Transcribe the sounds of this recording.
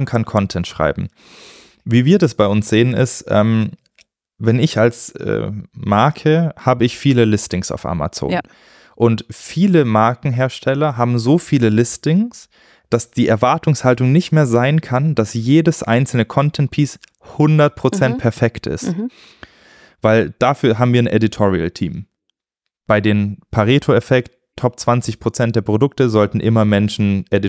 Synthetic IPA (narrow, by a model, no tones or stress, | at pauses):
ŋ̩kʰankʰɔntʰɛntʃʁ̥a̰ɪbm̩ | viːviːɐdasb̥aɪʊnsz̥eːənɪ̰stʔɛ̰ːm | vɛnɪçalsɛ̰ːmaɐkʰəhaːbəɪçfiːləlɪstɪŋsa̰ʊfʔa̰ma̰t͡so̰ːn | ʔʊntfiːləmaɐkŋ̩ɦeːɐʃtʰɛlɐɦaːbm̩zoːfiːləlɪstɪŋs | d̥asd̥iːʔɛɐvaɐtʊŋshaltʊŋnɪçtmeːɐzaɪnkʰand̥asjeːdəsʔa̰ɪnt͡sl̩nəkʰɔntʰɛnt̚pʰiːs | hʊndɐt̚pʁ̥ot͡sɛnt̚pʰɛɐfɛktʰɪ̰st | v̥aɪld̥afyːɐɦaːbm̩viːɐnʔeditʰɔʁiə̰ltʰḭːm | b̥aɪdeːmpʰaʁeːtʰoefɛkt | tʰɔp̚t͡sv̥ant͡sɪçpʁ̥ot͡sɛnt̚d̥eːɐpʁ̥odʊk̚təzɔltn̩ʔɪmɐmɛnʃn̩ʔedi